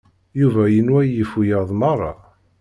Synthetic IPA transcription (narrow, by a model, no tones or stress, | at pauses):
juvæjənwæjifujɑðˤmɑrˤːɑ̰